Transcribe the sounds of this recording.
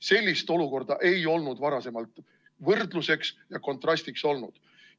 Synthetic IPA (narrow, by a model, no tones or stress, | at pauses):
se̞lʲːist̪o̞luko̞rd̪̥ɑʔe̞jo̞lnud̪vɑɾɑse̞mɑlt̪ˑ | vɤrd̪luse̞ksjɑko̞nt̪ˑrɑst̪ikso̞lnṵd̪̥